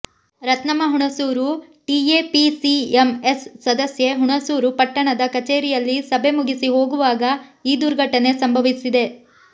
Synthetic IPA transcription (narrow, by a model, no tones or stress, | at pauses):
ɾɐt̪nɐmɐɦuɳɐsuːɾu | ʈieːpisiemesːɐd̪ɐsjeɦuɳɐsuːɾupɐʈːɐɳɐd̪ɐkɐt͡ʃeːɾijɐlːisɐbe̞muɡisiɦo̞ːɡuʋaːɡɐiːd̪uɾɡʱɐʈːɐne̞sɐmbʱɐʋisid̪e̞